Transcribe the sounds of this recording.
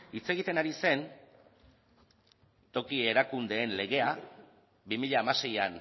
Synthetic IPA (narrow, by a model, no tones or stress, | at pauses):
it͡se̞ɣ̞it̪e̞naɾise̞n | t̪o̞kie̞ɾakund̪e̞ːnle̞ɣ̞e̞a | bimiʎaːmase̞jan